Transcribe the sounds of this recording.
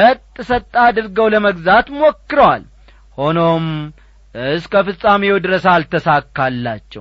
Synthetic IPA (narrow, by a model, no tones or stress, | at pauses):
ət̪ʼːɨsət̪ʼːad̪ɨɾɡəwləməɡzat̪mokːɨɾəwa̰l | ho̞nom | ɨskʰəfɨsʼamewd̪ɨɾəsalt̪ʰəsakːalːat͡ʃːɛ̰w